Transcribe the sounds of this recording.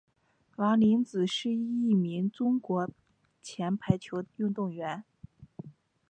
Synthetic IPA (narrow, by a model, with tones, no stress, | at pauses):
la˧˥li˧˥nt͡sɹ̩˨˩ʂɻ̩˥˧i˥˩mi˧˥ŋʈ͡ʂʊ˥ŋkwɔ˧˥ | t͡ɕʰjɛ˧˥npʰa˧˥ɪt͡ɕʰjo˧˥ʊy˥˧nt̪ʊ˥˩ŋɥɛ˧˥n